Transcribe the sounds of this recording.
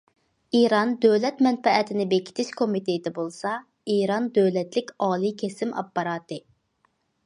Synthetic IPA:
iɾɑnd̪øwlɛt̪mɛnfɛʔɛt̪ʰɪnɪbekʲʰi̥t̪ʰɪʃkʰomit̪ed̪ɛbolˠsɑ | iːɾɑnd̪øwlɛt̪lɪkʲɑːlˠikʲʰesɪmɑ̰pːɑɾɑːt̪ɨ

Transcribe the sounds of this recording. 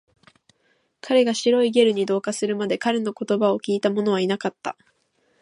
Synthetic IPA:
kʰaɾe̞ɡaɕiɾo̞iɡe̞ɾɯ̟ɲ̟id̪o̞ːkasɨɾɯ̟mad̪e̞kaɾe̞no̞ko̞t̪o̞bao̞kʲiːt̪amo̞no̞β̞ainakat̪ːa̰

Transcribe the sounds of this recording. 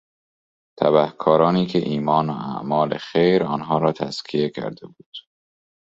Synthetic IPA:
t̪ʰæbæhkʰɒːɾɒːniːkʰe̞ʔiːmɒːnoæ̰ʔmɒːlexejɾɒːnɦɒːɾɒːt̪ʰæskʰie̞cʰæ̰ɾd̪ebuːd̪̥

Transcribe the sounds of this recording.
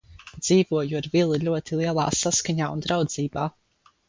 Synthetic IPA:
d̪z̥iːvuɔjuaɾvilˠiʎʲuɔt̪ilˠiɛlˠa̰ːsaskaɲaːund̪ɾawd̪ziːbaː

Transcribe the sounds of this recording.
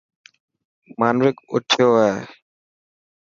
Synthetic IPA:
maːnʋɪkʊ̰ʈʰjoːeː

